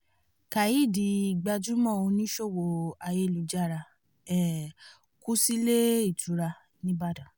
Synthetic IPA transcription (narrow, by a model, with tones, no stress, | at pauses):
ka˨ji˨˦˨di˧˨ɡ͡ba˧d͡ʒũ˦mɔ̃˦˨o˧nĩ˦ʃo˦˨wo˧˨a˧je˧˦˨lu˨˧d͡ʒa˦˨ɾa˧ | ɛ˨ | ku˦si˦le˦i˦˨tʰu˨˦ɾa˧ | nĩ˦ba˦˨dã˨